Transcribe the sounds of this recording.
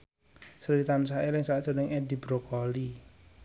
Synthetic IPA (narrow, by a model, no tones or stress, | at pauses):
səɾit̪ansaelɪŋsaʔd̥ʒ̥o̤nɪŋɛdi̤bɾokɔli